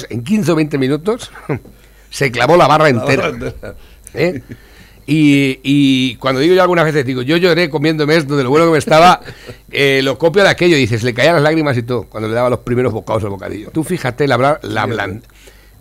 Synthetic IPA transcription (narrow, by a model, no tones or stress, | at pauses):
se̞̰ŋk̬inθeent̪e̞mĩnut̪o̞s | se̞klaβolaβarae̞ne̞ɾa | e | iikwand̪o̞ðiɣo̞oalɣunazβe̞θe̞zðiɣoʝo̞ʝo̞ɾe̞ko̞mjẽ̞nd̪o̞mees̬t̪oðelo̞βwe̞nokemest̪aβa | elo̞ko̞pjoðake̞ʎoðiθe̞slekaialazlaɣɾimas̬it̪̬okwand̪ole̞ðaβalo̞spɾime̞ɾo̞βo̞kao̞salβo̞ka̰ðḭʎot̪ufixat̪e̞laβlala̰βla̰n